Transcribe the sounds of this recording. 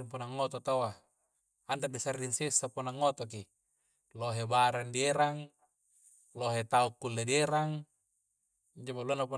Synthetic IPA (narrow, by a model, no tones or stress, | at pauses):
iŋpunaŋːot̪ot̪awa | andadisariŋsesːapunaŋːot̪oki | loɦebaɾandieɾaŋ | loɦet̪aukːulːedieɾaŋ | d͡ʒabaluanːapu